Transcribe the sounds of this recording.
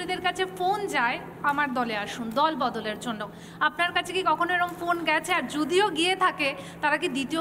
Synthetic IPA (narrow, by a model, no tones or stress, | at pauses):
ɾid̪eɾkat͡ɕʰefond͡ʑae | amaɾd̪ɔleaʃund̪ɔlbɔd̪oleɾd͡ʑonːo | apnaɾkat͡ɕʰekikɔkʰonoeɾomfonɡɛt͡ɕʰeaɾd͡ʑod̪ioɡiet̪ʰaket̪aɾak̬id̪it̪io